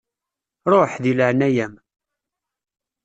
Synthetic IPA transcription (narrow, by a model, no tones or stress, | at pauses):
ɾˤoħðiləʕnæjæm